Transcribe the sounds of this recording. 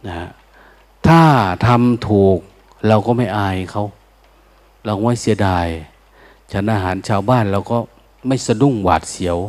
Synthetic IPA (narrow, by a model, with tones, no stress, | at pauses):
na˧ha˧ | t̪ʰaː˧˥˩t̪ʰa˧mt̪ʰuː˨˩k̚ | la˧wkɔː˧˩ma˥˩jʔaː˧˩kʰa˧˩˨w | la˧˩wmɔː˧˥˨si˨˦ədaː˨˩j | t͡ɕʰa˧˥nʔaː˧ɦaː˨˦nt͡ɕʰaː˧wbaː˧˥˩nlaː˧˩wkɔː˧˩ | ma˥˩jsa˧du˧˥˨ŋwa̰ː˨˩t̪̚si˨˦w